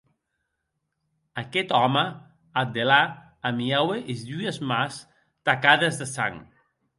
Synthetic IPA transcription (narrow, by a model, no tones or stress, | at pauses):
akɛt̪ɔmə | ad̪elaː | miaweʔezʎuezmas | t̪akaðezðesa̰ŋ